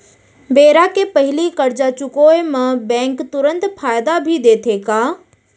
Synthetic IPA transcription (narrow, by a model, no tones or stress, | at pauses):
beːɾakepəɦɪlikɐɾd͡ʒat͡ʃʊkoemãbɛ̃ːŋkt̪ʊɾə̃nt̪fʰaːjd̪abʱid̪eːt̪ʰeːkaː